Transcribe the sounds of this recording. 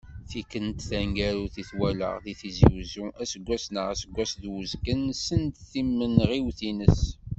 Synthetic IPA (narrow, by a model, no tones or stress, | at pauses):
θikənt̪θæŋɡæɾuθiθwælə̰ʁðiθiziwzuʔæsəɡʷːæsnəʁæsəɡʷːæsðwəzɡənsənt̪θimːənʁiwθinəs